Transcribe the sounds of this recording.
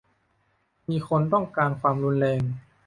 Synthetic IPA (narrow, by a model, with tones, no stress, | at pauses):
miː˧kʰo˧nt̪ɔ˥˩ŋkaː˧nkʰwaː˧mɾu˧nlɛː˧ŋ